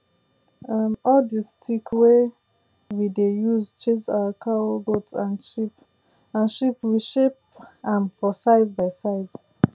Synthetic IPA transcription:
amɔldistikwe | widejuzt͡ʃẽsa̰wakʰaoɡotãnʃip | ãnʃipwiʃep̚ | ãnfɔsaɪzbaɪsaɪz̥

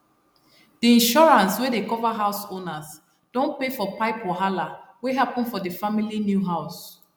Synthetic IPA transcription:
d̥iĩnʃɔɹãnswedekɔvaɦaʊsonaz | d̥õnpefɔpaɪpɔɦalaweɦapɔ̃nfɔdəfamilinjuɦaʊs

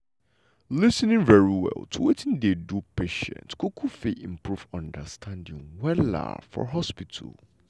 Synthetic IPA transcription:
lɪsnɪ̃ŋvɛɹiwɛ̰lˠtʰuwetʰɪ̃ndedupʰeʃɛ̰̃ntkʰukʰufeʔĩmpʰɹuvɔ̃ndəstʰãndɪ̰̃ŋwɛla̰fɔ̰ɦɔspitʰə̰l

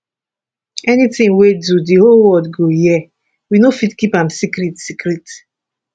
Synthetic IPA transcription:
ɛnitĩŋwedudiholwɔdɡojɛ | winofidkipãmsikɾitsikɾit

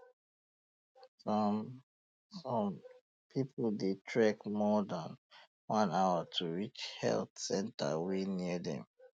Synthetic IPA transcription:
sɔ̃m | pʰipʰldetʰɹɛkmɔdãn | wãnawətʰuɹit͡ʃhɛ̰lθsɛ̃ntʰə̰winiədɛ̰̃m

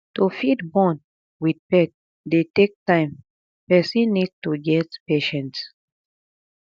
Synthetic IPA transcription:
tofidbɔ̃n | wid̚pɛk̚ | detek̚tãɪ̃m | pɛsĩnidtuɡɛtpeʃɛ̃nts

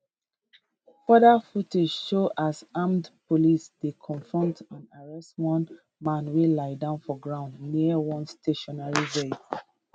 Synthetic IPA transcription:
fɔdafuted͡ʒʃoʔasamdpolisdekʰɔ̃ɱfɹɔ̃ntãnaɹɛstwɔ̃n | mãnwelaɪdãʊ̃nfɔɡɹãʊ̃ndniəwɔ̃nsteʃɔnaɹiɹe

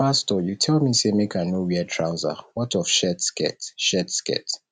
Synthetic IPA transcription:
astɔjutʰɛlmisemekanowiɛtʰɹaʊza̰wɔtɔfʃɛtskɛ̰tʃɛtskɛ̰t

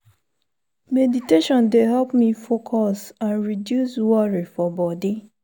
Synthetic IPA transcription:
mediteʃɔ̃ndeɦɛlpmifokʰɔsãnɹidjuswɔɹifɔbɔdi

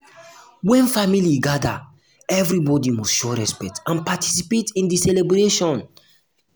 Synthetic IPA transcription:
wɛ̃nfamiliɡada | ɛvɾibɔdimɔstʃoɹɛspɛk̚tãnpati̥sipetĩndisɛlebɾeʃɔ̃n

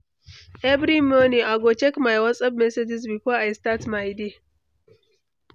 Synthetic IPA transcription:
ʔɛvɾimɔniaɡot͡ʃɛkmajwɐt͡sʼɐbmɛsed͡ʒizbifɔajstatmajde

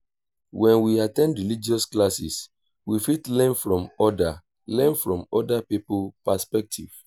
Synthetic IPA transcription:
wɛ̃nwiatɛ̃ndɹilid͡ʒiɔsklasis | wifitlɛ̃nfɹɔ̃mɔda | lɛ̃nfɹɔ̃mɔdapiplpaspɛk̚tʰḭv̥

